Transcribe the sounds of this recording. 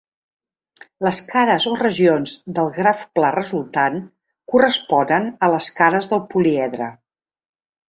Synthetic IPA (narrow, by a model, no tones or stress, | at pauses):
ləskaɾəzorəʒionzd̪əlˠɣɾafplarəzulˠt̪an | kurəspɔnənələskaɾəzðəlˠpuliɛðɾə̰